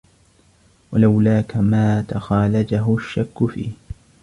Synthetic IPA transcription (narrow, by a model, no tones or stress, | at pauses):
walawlaːkamaːt̪axaːlad͡ʒaɦʊʃːakːʊfḭːh